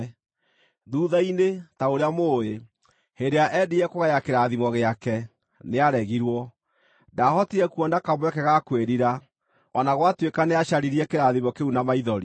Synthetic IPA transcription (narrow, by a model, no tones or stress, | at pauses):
ðuːðainetaoɾeamoːe | hedeaʔɛdiɛkoɣajakeɾaðimɔɣeakɛ | neaɾɛɣiɾwɔ | dahɔtiɾɛkuɔndakamwɛkɛɣakweɾiɾa | ɔnaɣwatwekaneaɕaɾiɾiɛkeɾaðimɔkeunamaiðɔɾi